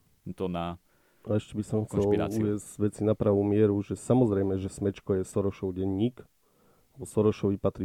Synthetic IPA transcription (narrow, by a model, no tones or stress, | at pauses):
t̪ɔna | aɛʃcɛbisɔmxt͡sɛlḭuʋɪɛzʋɛt͡sinapɾaʋuːmɪɛɾuʒɛsamɔzɾɛjmɛʒɛsmɛt͡ʃkɔjɛsɔɾɔʃɔʊɟɛɲːiːk | abɔsɔɾɔʃɔʋipat̪ɾi